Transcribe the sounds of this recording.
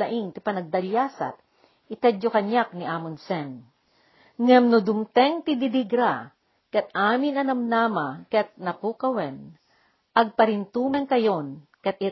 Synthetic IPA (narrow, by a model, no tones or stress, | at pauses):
aʔiŋt̪ɪpɐnɐɡ̚d̪ɐljaːsa̰t̪̚ | ʔɪt̪ɛd͡ʒjokɐɲak̚niʔaːmʊnsɛn | ŋamnʊd̪ʊmt̪ɛŋt̪ɪd̪id̪iɡɾa | kɐt̪̚ʔaːmɪnɐnɐmnamakɐt̪̚nɐkukɐwɛn | ʔɐɡ̚pɐɾɪnt̪uːmɛŋkɐjonkɐt̪̚ɪ